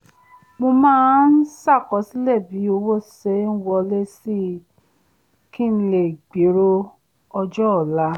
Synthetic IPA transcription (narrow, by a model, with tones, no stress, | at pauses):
mo˧mãː˦n̩˦sa˦˨kɔ˨˧˦si˦lɛ˦˨bi˨˦o˧wo˦˨sɛ˨˦n̩˦wɔ˧le˦si˦˨ | ki˦n̩˦˧le˨ɡ͡be˨˦ɾo˦ | ɔ˧d͡ʒɔ˦˨la˦